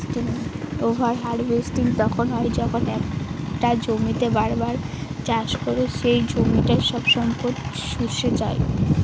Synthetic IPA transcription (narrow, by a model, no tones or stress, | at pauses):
ʈiŋobʱaɾɦaɾbesʈiŋt̪ɔkʰonɦɔejd͡ʑɔkʰonɛkʈad͡ʑomit̪ebaɾbaɾt͡ɕaʃkoɾeʃejd͡ʑomiʈaʃɔbʃɔmpoɾt̪ʃuʃet͡ɕae